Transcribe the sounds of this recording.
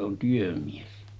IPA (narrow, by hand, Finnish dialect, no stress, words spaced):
on tyømies